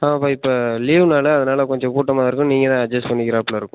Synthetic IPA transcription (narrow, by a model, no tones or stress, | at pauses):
aːpoːɪpːoːliːʋnaːlɐːðɐnaːlɐkɔɲd͡ʒɔ̃kuːʈːɐmaːɪɾɯkːʊ̃niːŋɡɐt̪ãːɐd͡ʒɐspɐnːɪkɪɾaːplaɪɾɯkːʊ̃